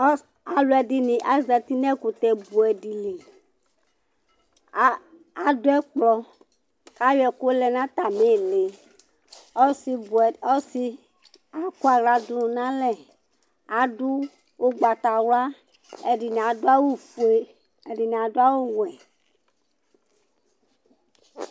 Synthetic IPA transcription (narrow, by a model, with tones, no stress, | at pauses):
a˨lu˨˦ɛ˨di˨nĩ˨ʔa˦zɛ˨t̪i˦nɛ̃˦ku˨t̪ɛ˨bu˨ɛ˨di˨li˨˦ | a˨do˦ɛ˦k͡plɔ˦ | ka˦jɛ˨ku˦o˦lɛ˨nã˦t̪a˨me˦˨le˨˦ | si˦˨ɔ˦si˦ | a˨ku˦a˨ɡla˨d̪lũ˨nã˦lɛ˨ | a˨du˦ | wo˦ɡ͡ba˨t̪a˨wa˦˨ | i˨n˨a˨do˦a˦wo˦fu˨e˦ | e˨ɖi˨n˨a˨do˦a˦wo˦w̃ɛ˨